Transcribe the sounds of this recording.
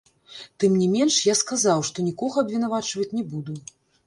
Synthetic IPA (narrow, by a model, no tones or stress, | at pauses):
t̪ɨmnʲimʲɛnʂjaskazawʂt̪ɔnʲikɔɣɐːbʲvʲinavat͡ʂvɐt͡sʲnʲɛbud̪u